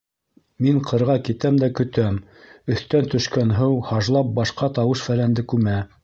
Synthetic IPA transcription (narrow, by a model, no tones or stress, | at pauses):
miɴqʰɤ̆ɾʁɑkit̪æmd̪ækɵ̆t̪æm | ɵ̆θt̪ænt̪ɵ̆ʃkænɦɤwhɑʒlˠɑp̚bɑʃqɑt̪ɑwɤʃfælænd̪ɘkʉmæ